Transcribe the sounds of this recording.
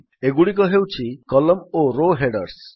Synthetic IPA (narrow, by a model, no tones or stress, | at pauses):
eɡuɽik̬ɔɦewt͡ʃʰikɔlɔmoɾoɦeɽəɾs